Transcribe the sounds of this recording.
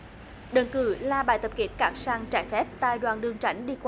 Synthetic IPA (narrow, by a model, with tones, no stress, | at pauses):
ɗə˨˩ŋkɨ̰˧˩laː˨˩ɓa̰ː˧˨jt̪ə˨˩p̚ki˨˦˥ət̚kaː˧˥k̚saː˧ŋt͡ɕaː˧˩jfɛ˦˥p̚t̪aː˧˨jɗwaː˨˩nɗɨ˨˩əŋt͡ɕa˧˦jŋ̟ɗi˧kwa˧